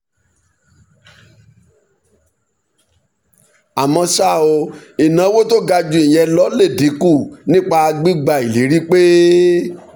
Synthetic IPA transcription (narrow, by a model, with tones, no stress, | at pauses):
a˨mɔ̃˧ʃa˦˨o˧i˨nã˨˧˦wo˦to˦ɡa˧d͡ʒu˧ĩ˨j̃ɛ˧lɔ˨˦le˦˨di˨˦ku˦˨nĩ˦k͡pa˧ɡ͡bi˦ɡ͡ba˧˨i˨li˨˦ɾi˦k͡pe˦